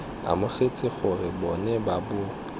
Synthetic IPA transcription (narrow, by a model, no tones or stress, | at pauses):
a̰mʊχet͡sʼɪχʊrɪbɔnɛbabʊ